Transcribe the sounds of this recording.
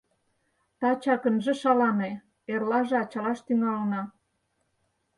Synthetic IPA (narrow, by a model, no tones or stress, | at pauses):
t̪ɑt͡ɕɑkə̆nʒĕʃɑlɑme | erlɑʒeɑt͡ɕɑlɑʃt̪yŋɑlnɑ